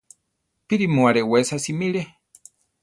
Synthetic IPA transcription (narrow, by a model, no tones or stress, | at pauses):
piɾimuaɾewesasimiɾe